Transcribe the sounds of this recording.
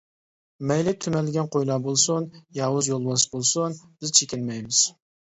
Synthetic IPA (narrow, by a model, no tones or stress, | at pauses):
mɛjlɪt̪ʰymɛlːɪɡʲɛnqʰojlˠɑbolˠsunjɑːwʊzjolˠbɑsbolˠsunb̥ɪz̥t͡ʃʰekʲɪnmɛjmɪz̥